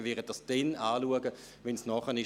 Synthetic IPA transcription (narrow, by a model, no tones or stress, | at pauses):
vɪdət̚d̥ɑsd̥ɛnaːluəɡə | vɛnsnɔχənɪ